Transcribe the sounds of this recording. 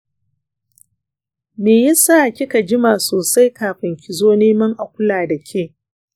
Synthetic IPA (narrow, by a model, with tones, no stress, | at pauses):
meː˨jɪ˦saː˦˨kʲɪ˦ka˨d͡ʒɪ˦maː˨soː˨sa˦jkaː˨ɸɪ˨ŋkʲɪ˨zoː˦neː˦mɐ˦ŋʔa˨kʷʊ˦laː˨da˨kʲʰeː˦˨